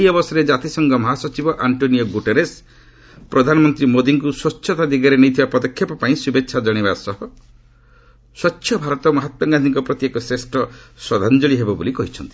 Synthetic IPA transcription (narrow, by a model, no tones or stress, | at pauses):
iɔbɔsɔɾed͡ʒat̪isɔŋɡɔmɔɦasɔt͡ʃibɔʔaɳʈoniɔɡuʈeɾes | pɾɔd̪ʱanɔmɔnt̪ɾimod̪iŋkuswɔtːʃʰɔt̪ad̪iɡaɾenejt̪ʰibapɔd̪ɔkʰjapɔpaĩsubetːʃʰad͡ʒɔɽ̃ebasɔɦɔ | swɔtːʃʰjɔbʱaɾɔt̪ɔmɔɦat̪wɔɡad̪ʱiŋkɔpɾɔt̪jekɔsɾesʈʰɔswɔd̪ʱand͡ʒɔɭiɦebɔbolikɔɦit͡ʃʰɔnt̪i̥